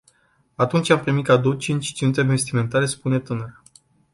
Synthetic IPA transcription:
at̪unt͡ʃʲampɾimit̪kad̪owt͡ʃint͡ʃʲt͡ʃint̪evest̪ime̞nt̪aɾe̞spune̞t̪ɨnəɾ

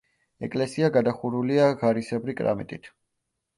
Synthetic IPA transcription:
ɛ̰kʼlɛsiaɡad̪aχuɾuliaɡaɾisɛbɾikʼɾa̰mɛ̰t̪ʼit̪ʰ

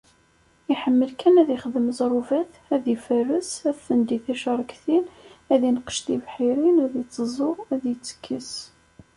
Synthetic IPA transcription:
iħəmːəlkænæðiχəðəmzˤɾˤuvæθ | æðifərːəsæðθənd̪iθæʃɾˤəkθinæðinəqə̥ʃt̪ivħiɾinæðit͡sːəzˤʊæðjət͡sːə̥kːəs

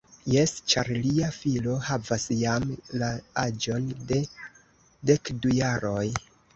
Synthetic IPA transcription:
je̞st͡ʃaɾliafilo̞havasjamlaad͡ʒo̞nde̞ | de̞kdujaɾo̞j

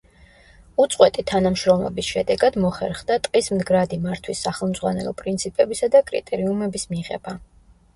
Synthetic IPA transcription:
ut̪sʼqʼwɛt̪ʼit̪ʰanamʃɾɔmlˠɔ̰bisʃɛd̪ɛɡad̪mɔχɛɾχd̪at̪ʼqʼismd̪ɡɾad̪imaɾt̪ʰwisːaχɛlˠmd̪zʁwanɛlˠɔ̰pʼɾint̪sʰipʼɛbisad̪akʼɾḭt̪ʼɛɾiumɛbismiʁɛ̰ba

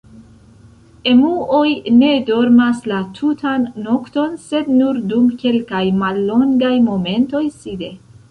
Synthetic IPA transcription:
e̞muojne̞do̞ɾmaslatʰutʰanːo̞kto̞nse̞dnuɾdumke̞lkajmalːo̞ŋɡajmo̞me̞nto̞jside̞

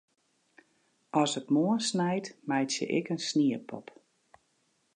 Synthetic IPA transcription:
ʔɔsək̚moənsnɛjtmɛjtjə̰ʔɪ̰kənsniəpʰɔ̰p

